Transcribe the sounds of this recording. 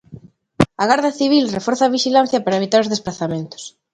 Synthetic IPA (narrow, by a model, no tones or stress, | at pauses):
aɣaɾðaθiβ̞ilrefɔɾθɐβiʃilan̟θjɐpaɾaɐeβ̞it̪aɾozðespɾaθamẽnt̪ʊ̥s